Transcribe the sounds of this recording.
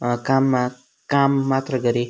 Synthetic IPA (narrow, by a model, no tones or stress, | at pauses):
kamːa | kamːat̪ɾəɡʌɾe